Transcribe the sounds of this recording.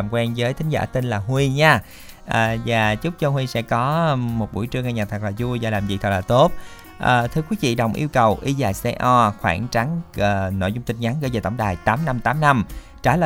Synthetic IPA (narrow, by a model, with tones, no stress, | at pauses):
mkwɛ˧nzəː˨˦jt̪ʰï˨˦ŋ̟zaː˧˩t̪i˧nlaː˨˩ɦwi˧ɲaː˧ | ʔəː˨˩vaː˨˩t͡ɕʊ˦˥k͡p̚t͡ɕə˧hwi˧sɛ̰˧˥kɔ˨˦˧mo˨˩t̚ɓṵ˧˩jt͡ɕɨ˧əŋa˧ɲaː˨˩t̪ʰa˨˩laː˨˩zu˧zɔ˧˩laː˨˩mzḭ˨t̪ʰə˨˧˩tlaː˨˩t̪o˦˥t̚ | ʔəː˨˩t̪ʰɨ˧əkwi˨˦vḭ˧˨ɗə˨˩wŋ͡mʔi˧wkə˨˩wʔi˧zaː˨˩jsɛ˧ʔɔ˧xwa̰ː˧˩nt͡ɕa˨˦nː˨˩nɔ̰˧˨jzʊ˧ŋ͡mt̪ï˧˩ŋ̟ɲa˨˦nɣəː˧˩jzəː˨˩t̪ə˧˩wŋ͡mɗaː˨˩jt̪aː˨˦mna˧mt̪aː˨˦mna˧m | t͡ɕaː˧˩lə̰ː˧˨